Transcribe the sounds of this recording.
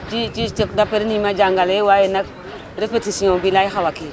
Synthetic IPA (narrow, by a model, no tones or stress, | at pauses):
t͡ʃit͡ʃit͡ʃikdapeɾnimad͡ʒaŋɡalewajenak | ɾifetisijõbilajixawaki